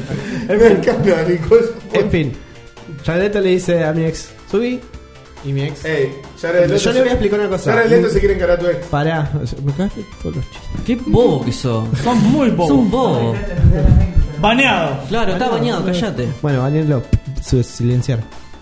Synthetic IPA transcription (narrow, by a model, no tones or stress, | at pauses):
eekaneanikosẽɱfin | t͡ʃaeðet̪oleðiseamieksːuβi | imieksejʃaɾeeʃoleojaeplikaɾunakosaɾaeet̪os̬ekjeɾeŋkaɾaɾt̪̬uekspaɾaʃmekaet̪et̪ʰolost͡ʃi̥t̪okibokisosomojbosombo | banjaðoklaɾot̪aβaɲjaðokaʃat̪ebwenoβanelosuesilensjaɾ